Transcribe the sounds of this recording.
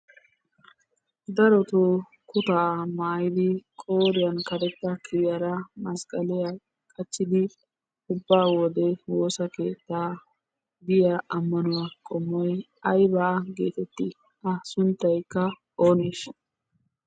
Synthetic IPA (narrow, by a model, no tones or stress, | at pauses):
d̪ɐɾɔt̪o | kʊt̪aːmaːjɪd̪ɪkʼoːɾɪjɐnkɐɾɛt̪ːɐkʰɪjɐɾɐmɐskʼɐlɪja | kʼɐt͡ʃːɪd̪ɪ | ʊbːaːwɔd̪ɛwo̞ːsɐkeːt̪ːaː | d̪ɪjaʔɐmːɐnʊwaːkʼɔmːɔj | ɐjbɐɐɡeːt̪ɛt̪ːɪ | ɐsʊnt̪ːɐjkːɐ | oːneːʃ